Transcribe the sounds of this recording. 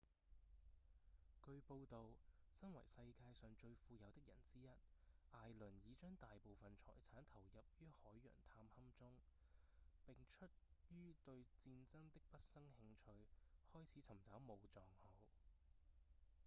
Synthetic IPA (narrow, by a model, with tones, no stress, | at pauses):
kɵ˧ɥpo˧wt̪o˨wsɐ˥nwɐ̰˨˩jsɐ˧jkaː˧jsœː˨ŋt͡ʃɵ˧ɥfuː˧jɐ˨˧wt̪ɪ˥k̚jɐ̰˨˩nt͡siː˥jɐ˥t̚ʔaː˨˧jlɵ˨˩njiː˨˧t͡ʃœː˥ŋt̪aː˨jpo˨˧wfɐ˨nt͡sʰɔ̰ː˨˩jt͡sʰaː˨˥nt̪ʰɐ˨˩wjɐ˨p̚jyː˥hɔː˨˥jːœ̰ː˨˩ŋt̪ʰaː˧mhɐ˥mt͡sʊ˥ŋ | pɪ˨ŋt͡ʃʰɵ˥t̚jyː˥t̪ɵ˧ɥt͡siː˧nt͡sɐ˥ŋt̪ɪ˥k̚pɐ˥t̚sɐ˥ŋhɪ˧ŋt͡ʃʰɵ˧ɥhɔː˥jt͡sʰiː˨˥t͡sʰɐ˨˩mt͡saː˨˥wmo˨˧wt͡sɔː˨˩ŋhɐ˨˧w